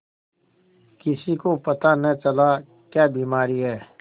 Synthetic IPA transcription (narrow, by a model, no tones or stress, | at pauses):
kɪsikopɐt̪anɐ̃t͡ʃɐla | kjaːbiːmaːɾiɦɛː